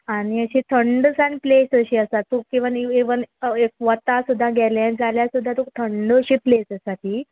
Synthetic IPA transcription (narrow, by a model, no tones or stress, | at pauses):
añiəɕit̪ʰəɳɖsãnplesəɕiəsat̪ːukĩʋənieʋənek̚ʋət̪asud̪ʱːaɡʱɛljad͡zaljasud̪ʱːat̪ot̪ʰəɳɖɕiːplesəsat̪iː